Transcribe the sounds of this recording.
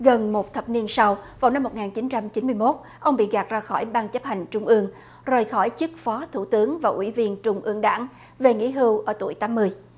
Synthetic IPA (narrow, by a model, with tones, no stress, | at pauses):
ɣə˨˩nmo˨˩t̚t̪ʰə˨˩p̚ni˧ənsa˧wvaː˨˩wna˧mːo˨˩t̚ŋaː˨˩nt͡ɕi˨˦nt͡ɕa˧mt͡ɕi˨˦nmɨ˧əjmo˦˥t̚ | ʔə˧wŋ͡mɓḭ˧˨ɣaː˨˩t̚zaː˧xɔ˧˩jɓaː˧nt͡ɕə˦˥p̚ha˨˩jŋ̟t͡ɕʊ˧ŋ͡mʔɨ˧əŋ | zəː˨˩jxɔ˧˩jt͡ɕɨ˦˥k̚fɔ˨˦t̪ʰu˧˩t̪ɨ˨˦əŋvaː˨˩ʔwḭ˧˩vi˧ənt͡ɕʊ˧ŋ͡mʔɨ˧əŋɗa̰ː˧˩ŋ | ve˨˩ŋḭ˧˥ɦɨ˧wʔəː˧˩t̪u˧˩əjt̪aː˨˦mːɨ˧əj